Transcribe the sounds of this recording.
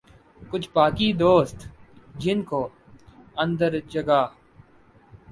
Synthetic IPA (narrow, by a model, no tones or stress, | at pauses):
kʊt͡ʃʰpaːkiːd̪oːst̪d͡ʒɪnkoː | ə̃nd̪əɾd͡ʒəɡaː